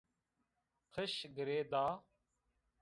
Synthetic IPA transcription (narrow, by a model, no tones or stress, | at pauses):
kʰəʃɡəɾeːd̪aː